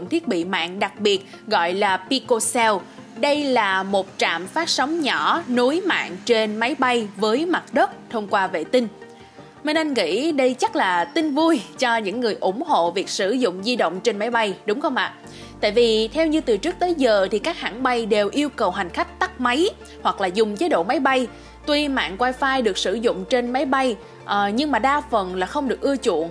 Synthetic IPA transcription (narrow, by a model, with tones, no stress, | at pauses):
ʊ̰˧˨ŋ͡mt̪ʰi˦˥ət̚ɓḭ˧˨ma̰ː˧˨nɗa˨˩k̚ɓi˨˩ət̚ | ɣɔ̰˧˨jlaː˨˩pi˧ko˧sɛ˧w | ɗə˧jlaː˨˩mo˨˩t̚t͡ɕa̰ː˧˨mfaː˦˥t̚sa˨˦wŋ͡mɲɔ˧˩nu˨˦jma̰ː˧˨nt͡ɕe˧nma˨˦jɓa˧jvəː˨˦jma˨˩t̚ɗə˦˥t̚t̪ʰə˧wŋ͡mkwaː˧vḛ˧˨t̪ï˧n̟ | me˧nʔa˧jŋ̟ŋḭ˧˥ɗə˧jt͡ɕa˦˥t̚laː˨˩t̪ï˧ŋ̟vu˧jt͡ɕɔ˧ɲɨ̰˧˥ŋːɨ˨˩əjʔʊ˧˩ŋ͡mho̰˧˨vi˨˩ək̚sɨ˧˩zʊ̰˧˨ŋ͡mzi˧ɗə̰˧˨ŋ͡mt͡ɕe˧nma˨˦jɓa˧jɗʊ˨˦ŋ͡mxə˧wŋ͡mʔa̰ː˧˨ | t̪a̰ː˧˨jvi˨˩t̪ʰɛ˧wɲɨ˧t̪ɨ˨˩t͡ɕɨ˦˥k̚t̪əː˨˦jzəː˨˩t̪ʰi˨˩kaː˦˥k̚ha̰ː˧˩ŋɓa˧jɗe˨˩wʔi˧əwkə˨˩wɦa˨˩jŋ̟xa˦˥jk̟̚t̪a˦˥k̚ma˨˦j | hwa˨˩k̚laː˨˩zʊ˨˩ŋ͡mt͡ɕeː˨˦ɗo̰˧˨ma˨˦jɓa˧j | t̪wi˧ma̰ː˧˨nkwaː˧jfaː˧jɗɨ˨˩ək̚sɨ˧˩zʊ̰˧˨ŋ͡mt͡ɕe˧nma˨˦jɓa˧j | ʔɲɨ˧ŋmaː˨˩ɗaː˧fə˨˩nlaː˨˩xə˧wŋ͡mɗɨ˨˩ək̚ʔɨ˧ət͡ɕṵ˧˨ən